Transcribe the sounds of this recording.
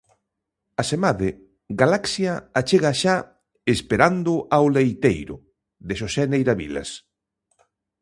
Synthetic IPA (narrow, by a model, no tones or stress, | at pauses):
asemaðe | ɡalaksjaat͡ʃeɣaʃa | espeɾand̪ʊʔawlejt̪ejɾʊ̰ | ðeʃosɛnejɾaβḭla̰s